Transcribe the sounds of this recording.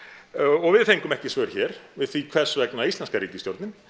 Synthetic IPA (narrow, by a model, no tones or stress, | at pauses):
ɔɣvɪðθejŋkʏmɛhcɪsvœɾçɛːɾ̥vɪðθviːkʰvɛ̥svɛknaist̪lɛnskaɾiːt̪ɪsjoɾt̪nɪn